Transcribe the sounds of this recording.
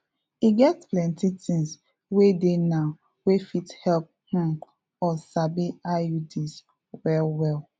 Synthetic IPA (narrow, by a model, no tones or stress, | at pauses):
iɡɛtplɛ̃ntitɪ̃ŋs | wedenaʊ | wefithɛlp̚hɔ̃ŋk | ɔsabiaudis | wɛlwɛl